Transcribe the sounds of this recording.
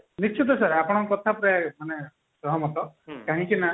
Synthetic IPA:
nist͡ʃʰit̪̬ɔsaɾapɔɽ̃ɔkɔt̪ʰapɔɾemane | sɔɦɔmɔt̪ɔkaɦĩkina

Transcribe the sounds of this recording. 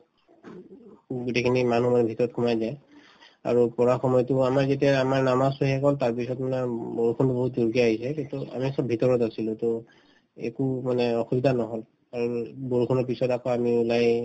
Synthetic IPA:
ɡutekʰinimanumanɛbʱitɔɹɔt̚kʰumajzaj | a̰ɹupɔɹaxɔmɔjɔtʊamaɹzetiaamaɹnamasuhɛkɔltaɹpisɔtmanɛboɹukʰɔntuboɦutduɹkiaɦisɛkintua̰misɔbʱitɔɹɔtasilʊtɔ | ḛkumanɛɔxubidʱanɔɦɔl | aɹuboɹukʰɔnɔɹp̬isɔtakɔamiulaj

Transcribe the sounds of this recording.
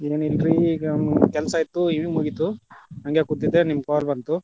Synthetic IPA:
eːnilɾi | kɛlsɐit̪ːuiʋimuɡit̪uɐŋɡekud̪id̪enimːkaːlbɐnt̪u

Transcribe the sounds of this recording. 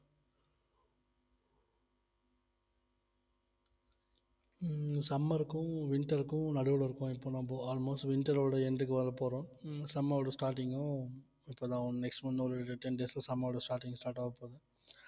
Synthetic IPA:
sɐmːɐɾɯkːʊ̃ʋɪɳʈɐɾɯkːʊ̃nɐɽɯʋɐɭɪɾɯkːʊ̃ɪpːoːnãːpoːaːlmoːsʈʋɪɳʈɐɾoːɽɐɛɳɖɯkːɯʋɐɾɐpoːɾõsɐmːaːʋʈɯsʈaːɾʈ̬ɪŋɡõ | ɪpːoːd̪ãːɐ̃nɛksʈmɐnd̪oːɾɐʈɯʈɛnɖeːslasɐmːɐːʋʈɐsʈaːɾʈɪŋɡsʈaːɾʈaːɐpoːðɯ

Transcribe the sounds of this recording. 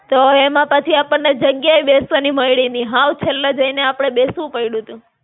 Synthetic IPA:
t̪oemãpət͡ʃʰiapəɳned͡ʒəɡjajbesaniməjɽiniɦãwt͡ʃʰelːad͡ʒəineapəɽ̃eɓesʋũpəiɽũt̪ũ

